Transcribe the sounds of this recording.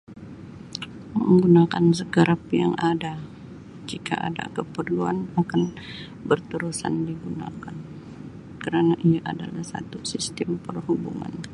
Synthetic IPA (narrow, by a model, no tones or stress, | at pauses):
məŋɡunakans̬əɡəɾapjaŋʔada | d͡ʒika̰ʔa̰da̰kəpərluanakan | bərt̪əɾusa̰ndiɡuna̰kan | kəɾanaʔiaʔadalahsa̰t̪usist̪ɛmpərhubṵŋa̰n